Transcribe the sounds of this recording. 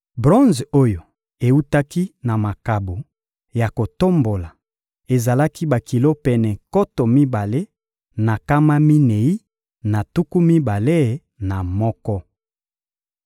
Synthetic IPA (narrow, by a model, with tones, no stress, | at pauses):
bʁɔ̃˦nzo˦jo˨ | e˨u˦ta˦ki˦na˨ma˨ka˨bo˨ | ja˨ko˨to˦mbo˨la˨ | e˨za˨la˦ki˦ba˨ki˨lo˦pɛ˨nɛ˨ko˦to˨mi˦ba˨le˦ | na˨ka˦ma˦mi˦ne˨i˦ | na˨tu˦ku˦mi˦ba˨le˦˨ | na˨mɔ˦kɔ˦